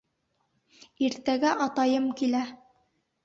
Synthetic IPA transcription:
iɾt̪æɡæʔɑt̪ɑjɤmkilæ

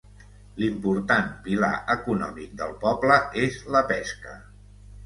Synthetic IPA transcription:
limpuɾt̪anpila̰ʔəkunɔ̰mik̚d̪əlˠpɔbləezləpɛskə̰

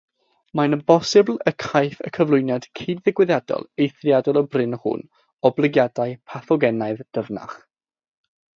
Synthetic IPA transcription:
manəbɔsɪblˠəkʰajθə̰kʰəvlˠʊɨnjad̥kʰiːdðɪɡwɪðjadɔ̰lˠejθrjadɔlˠəbrɪnhʊ̰n | ɔblˠɪɡjadaɨpʰaθɔɡɛnaɨðd̥əvna̰χ

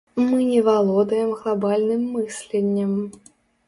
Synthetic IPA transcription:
mɨnʲɛvalˠɔd̪ɐjɛmɣlˠabalʲnɨmːɨsʲlʲenʲːɐm

